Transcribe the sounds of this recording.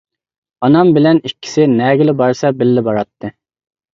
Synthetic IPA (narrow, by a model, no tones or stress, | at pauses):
ɑnɑmbɪlɛnikʲʰːi̥sɪnɛɡʲɪlɪbɑɾsɑbɪlːɪbɑɾɑt̪ʰːɨ